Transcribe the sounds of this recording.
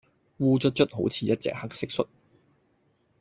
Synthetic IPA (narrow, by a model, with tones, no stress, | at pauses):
wuː˧t͡ʃɵ˥t̚t͡ʃɵ˥t̚ɦo˨˥wt͡sʰiː˨˥jɐ˥t̚t͡sɛ̰ː˨k̚hɐ˥k̚sɪ˥k̚sɵ˥t̚